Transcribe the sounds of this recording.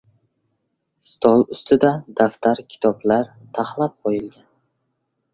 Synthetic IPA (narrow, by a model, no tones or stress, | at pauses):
st̪ʰɒlˠʊst̪ʰɪd̪ad̪aft̪ʰaɾkʲʰɪ̥t̪ʰɒblaɾt̪ʰaχlˠap̚qʰojɪlɡʲan